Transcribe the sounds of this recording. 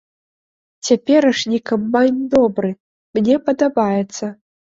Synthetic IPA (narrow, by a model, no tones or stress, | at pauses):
t͡sʲapʲɛɾɨʂnʲikamːanʲd̪ɔbɾɨ | mnʲɛpɐd̪abajɛt̪sːɐ